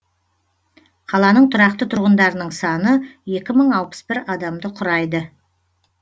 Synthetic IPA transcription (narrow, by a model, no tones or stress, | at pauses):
qʰɑlˠɑnəɴt̪ʰʊɾɑqt̪ət̪ʰʊɾʁənd̪ɑɾənəɴsɑnəje̞kʲɪməɴɑlˠpə̥sbɪɾɑd̪ɑmd̪əqʰʊɾɑjd̪ə